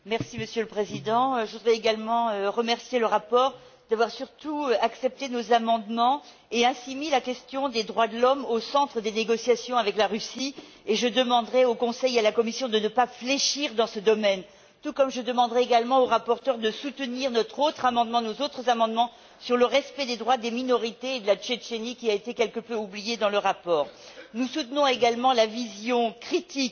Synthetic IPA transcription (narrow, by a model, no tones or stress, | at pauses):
mɛʁsiməsjøləpχezid̪ɑ̃ʒəvud̪ʁɛeɡalmɑ̃øʁəmɛʁsjeləʁapɔʁ | d̪̥avwaʁsyʁt̪uaksɛp̚t̪enozamɑ̃d̪mɑ̃ | eɛ̃similakʲɛst̪jɔ̃d̪ed̪ʁwad̪əlɔmosɑ̃t̪χəd̪eneɡɔsjasjɔ̃avɛklaʁysi | eʒəd̪əmɑ̃d̪ʁɛokɔ̃sɛjalakɔmisjɔ̃d̪ənəpafleʃiʁd̪ɑ̃səd̪ɔmɛn | t̪ukɔmʒəd̪əmɑ̃d̪ʁɛeɡalmɑ̃oʁapɔʁt̪œʁd̪əsut̪əniʁnɔt̪χot̪χamɑ̃d̪mɑ̃nozot̪χəzamɑ̃d̪mɑ̃ | syʁləʁɛspɛd̪ed̪ʁwad̪eminɔʁit̪eːd̪əlat͡ʃet͡ʃenikʲiaet̪ekʲɛlkəpøublijed̪ɑ̃ləʁapɔːʁnusut̪nɔ̃eɡalmɑ̃lavizjɔ̃kχit̪ik